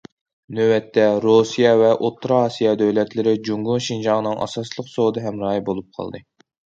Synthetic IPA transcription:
nøwɛt̪ːɛɾosijɑvɛʔot̪ʰːɾɑɑːsijɑd̪øwlɛt̪lɪɾɪd͡ʒuŋɡunʃind͡ʒɑŋnɨŋʔɑ̰sɑslˠəqsod̪ɨɦɛmɾɑːjibolˠup̚qʰɑ̰lˠd̪ɨ

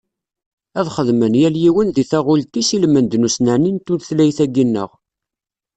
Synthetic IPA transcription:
æðχəðmənjæljiwənðiθæʁʊlt̪isilmənd̪nusnaʕnint̪ʊɾθlæjθæɡinːə̰ʁ

